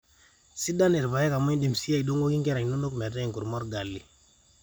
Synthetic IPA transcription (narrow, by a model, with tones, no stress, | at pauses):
si˦da˦ne˨ɾpa˨je˦ka˨mo˦ɲ˦di˨msi˦ja˦i˨ɗo˦ŋɡo˦ki˦ŋke˦ɾa˨ŋ˨no˦lo˦km˨a˨ta˦i˨ŋku˨ɾmo˦ɾɡa˨lːi˨